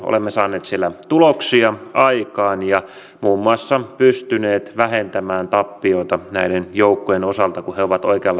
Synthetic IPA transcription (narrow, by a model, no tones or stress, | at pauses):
o̰lemːesɑːnːˑeːt̪sielːæt̪uloksiɑʔɑikɑːnjɑ | muːmːuɑsːɑpyst̪yneːt̪ʋæhent̪æmæːnt̪ɑpːioit̪ɑnæidenjoukːojenosɑlt̪ɑkuheoʋɑt̪oikeɑlː